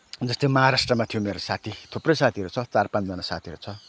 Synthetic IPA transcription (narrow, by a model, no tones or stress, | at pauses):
d͡zʌst̪emʌɦaɾasʈrʌmat̪ʰijomeɾosat̪ʰit̪ʰoprʌjsat̪ʰiɾot͡sʰʌt͡sarpãnt͡sd͡zʌnasat̪ʰiʌɾot͡sʰʌ